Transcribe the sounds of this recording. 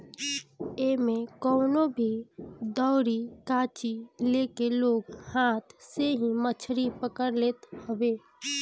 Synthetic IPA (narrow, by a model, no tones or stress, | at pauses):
emẽkɔːnobʱid̪ɔʊɾikãːt͡ʃileːkeloːɡhãt̪ʰseɦĩmət͡ʃʰɾipəkəɾleːt̪həbe